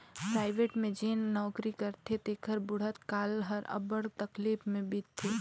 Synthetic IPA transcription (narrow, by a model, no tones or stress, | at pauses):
pɾaːɪʋeːʈmẽd͡ʒeːnnɔːkɾikəɾt̪ʰet̪eːkʰəɾbʊɽ̤ət̪kaːlɦəɾɐ̰bəɽt̪ɐkliːpmẽbit̪ʰːe